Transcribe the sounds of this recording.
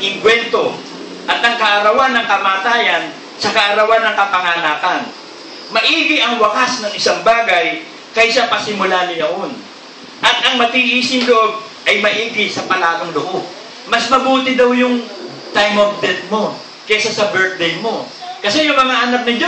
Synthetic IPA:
ʔɪŋɡwɛnt̪o̞ | ʔɐt̪ɐŋkɐʔɐɾɐwanːɐŋkɐmaːt̪aːjɐn | sɐkɐʔɐɾɐwanːɐŋkɐpɐŋaːnaːkɐn | mɐʔiːɡɪʔɐŋwɐkasnɐŋɪsaŋbaːɡɐj | kɐjʃapɐsɪmʊlanʊjɐʔon | ʔɐt̪̚ʔɐŋmɐt̪iʔiːsɪŋloʔob̚ | ʔɐjmɐʔiːɡɪsɐpɐlaːɡɐŋloʔob̚ | mɐsmɐbuːt̪ɪd̪ɐwjʊŋ | t̪ajmof̚d̪ɛt̪̚mo̞ | kɛsasɐbɛɹt̪̚d̪ɛjmo̞kɐsɛjʊŋmɐŋaʔɐnap̚nɐd͡ʒ

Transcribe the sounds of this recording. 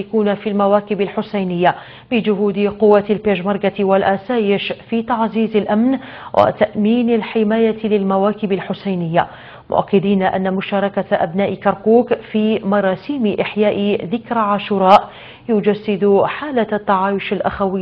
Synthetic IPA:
akuːnafiːlmawaːkɪbɪlħʊsajnɪjːa | bɪd͡ʒʊɦuːd̪ɪqʊwːalpeːʒmɑɾˤɡat̪walʔasaːjɪʃfiːt̪ɑʕziːzɪlʔamn | wʔa̰t̪aʔmiːnalħɪmaːjalɪlmawaːkɪbɪlħʊsajnɪjːa | mʊ̰ʔa̰kːɪd̪iːnaʔa̰nːamʊʃɑːɾˤɑkaʔa̰bnaːʔɪkɑɾˤkuːkfiːmɑɾˤɑːsiːmɪʔɪħjaːʔɪðɪkɾʕaːʃʊɾˤɑːʔ | jʊd͡ʒasːɪd̪ħaːlat̪ːɑʕaːjʊʃalʔa̰xawɪ

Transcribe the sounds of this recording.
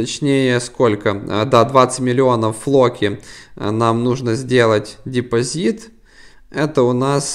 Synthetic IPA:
ɐt͡ɕnʲejəskolʲkəd̪ad̪vat̪sɨ̥tʲmʲɪlʲɪo̞nəfːlˠokʲɪnamnuʐnəzʲdʲe̞lˠətʲdʲɪpɐzʲit̪ | ɛt̪əʊnas

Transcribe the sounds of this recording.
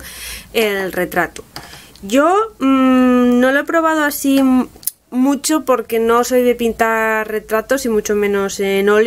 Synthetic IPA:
elre̞t̪ɾat̪u̥ɟ͡ʝo | nolepɾo̞β̞að̞oasi | mut͡ʃopo̞ɾke̞no̞so̞jðe̞pint̪are̞t̪ɾat̪osimut͡ʃomẽnosenol

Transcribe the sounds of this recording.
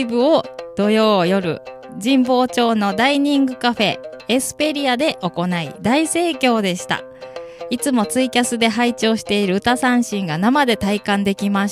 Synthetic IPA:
bɯ̟od̪̥o̞jo̞ːjo̞ɾɯ̟̰ | d͡ʑĩmbo̞ːt͡ɕo̞ːno̞d̪aiɲ̟ĩŋɡɯ̟kaɸe̞ː | sɨ̥pe̞ɾʲiad̪e̞ʔo̞ko̞naḭd̪aise̞ːkʲo̞ːd̪e̞ɕi̥t̪a̰ | it͡sɨmo̞t͡sɨikʲasɨd̪e̞ɦait͡ɕo̞ːɕi̥t̪e̞iɾɯ̟ɯ̟t̪asãɰ̃ɕĩŋɡanamad̪e̞t̪aikãnd̪e̞kʲimaɕ

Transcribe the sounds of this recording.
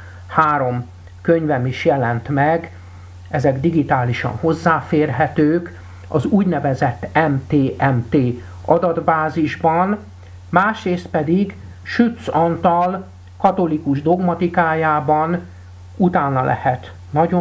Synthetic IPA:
haːɾo̞m | køɲvɛmiʃjɛlɛnt̪mɛɡ | ɛzɛɡd̪iɡit̪aːliʃɒ̰nho̞zːaːfeːrɦɛt̪øːk | ɒ̰zuːɟnɛvɛzɛt̪ːɛmt̪eːʔɛmt̪eː | ɒd̪ɒd̪baːziʒbɒn | maːʃreːst̪̚pɛd̪iɡ | ʃyt̪sɒnt̪ɒl | kɒt̪o̞likuʒd̪o̞ɡmɒt̪ikaːjaːbɒn | ut̪aːnːɒlʔɛ̰hɛt̪ | nɒɟo

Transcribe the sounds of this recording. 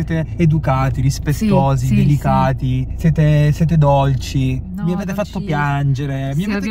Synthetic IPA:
ɛːt̪eed̪ukaːt̪iɾispet̪ːoːzid̪elikaːt̪isɛːt̪esɛːt̪ed̪olt͡ʃi | viaveːt̪̬efat̪ːopjand͡ʒeɾemiaveːt̪e

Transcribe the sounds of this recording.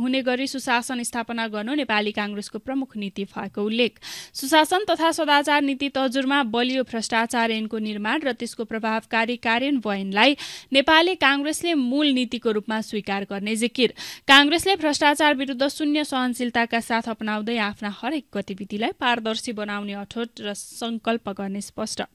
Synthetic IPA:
ɦuneɡʌɾisusasʌnist̪ʰapʌnaɡʌrnonepalikãŋɡreskoprʌmukʰnit̪ibʱʌekoulːek̚ʰsusasʌnt̪ʌt̪ʰasʌd̪at͡sarnit̪it̪ʌɦd͡zurmabʌlijobʱrʌsʈat͡saɾenkonirmanrʌt̪eskoprʌbʱabkaɾikaɾjʌnbʌjnlajnepalikãŋɡreslemulnit̪ikoɾupmaswikarɡʌrned͡zikirkãŋɡreslebʱrʌsʈat͡sarbiɾud̪ʱːʌsunjʌsʌɦʌnsilt̪akasat̪ʰʌpnawd̪ʌjapʰnahʌɾek̚ɡʌt̪ibid̪ilajpaɾd̪ʌrsibʌnawneʌʈʰoʈrʌsʌŋkʌlpʌɡʌrnespʌsʈʰʌ

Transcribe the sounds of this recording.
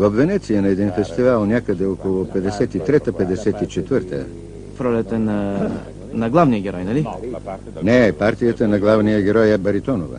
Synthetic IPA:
vɐfvɛnɛt̪sijənɐɛd̪infɛst̪ivalˠnʲjakəd̪ɛɔkolˠopɛd̪ɛsɛt̪it̪ɾɛt̪əpɛd̪ɛsɛt̪it͡ʃɛt̪vəɾt̪ə̰ | fɾɔlʲɛt̪əna | nɐɡlˠavnijəɡʲɛɾɔjnɐli | nɛpaɾt̪ijət̪ənɐɡlˠavnijəɡʲɛɾɔjɛbɐɾit̪ɔnovə̰

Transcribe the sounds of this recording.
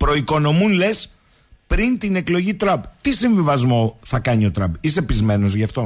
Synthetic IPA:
pɾo̞iko̞no̞munle̞s | pɾint̪ine̞klo̞ʝit̪ɾɐbt̪isiɱvivɐzmo̞θɐkɐɲio̞t̪ɾɐbise̞pizme̞no̞zʝɐft̪o̞

